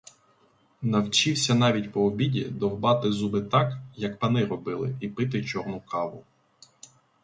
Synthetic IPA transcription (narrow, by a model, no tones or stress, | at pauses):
nɐwt͡ʃiwsʲɐnɑʋʲitʲpɔɔbʲidʲḭd̪ɔɦbɑt̪ɪzubɪt̪ɑkjɐkpɐnɪɾɔbɪlˠɪ̰ipɪt̪̬ɪt͡ʃɔrnʊkɑʋʊ